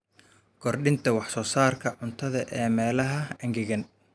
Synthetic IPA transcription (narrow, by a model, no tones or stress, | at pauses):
ɡʰɔrɖɪnt̪ʰɐwɑħsɔːsaːrkʰɐʕʊnt̪ʰɐðɐʔɛːmɛːlɐɦɐɐŋɡɪɣɐn